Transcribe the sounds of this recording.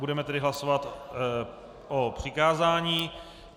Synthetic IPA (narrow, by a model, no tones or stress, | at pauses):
budɛmɛt̪ɛdɪɦlasovat̪ | ʔopr̝̥ɪkaːzaːɲiː